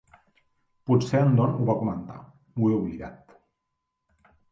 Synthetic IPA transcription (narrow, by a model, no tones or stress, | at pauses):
put͡seənd̪ɔnuβakumənt̪a̰ | ueuβliɣa̰t̪